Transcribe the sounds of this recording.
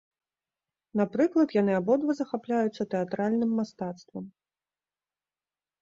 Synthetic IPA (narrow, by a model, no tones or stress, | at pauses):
napɾɨklˠɐt̪janɨabɔd̪vɐzɐxaplʲajut̪sːɐt̪ɛat̪ɾalʲnɨmːast̪at̪st̪vɐm